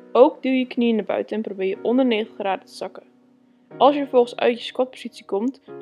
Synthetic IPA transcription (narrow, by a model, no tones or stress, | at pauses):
owkdilˠjəkniənabœ̰ɥtəɛnprowbɪːɹjəʔɔndəɹnejχəntəχraːdətə̥zɑkə | ʔɑlˠsjəfəvɔlˠχəsœ̰ɥtjəskɔt̚poz̥itsikɔmt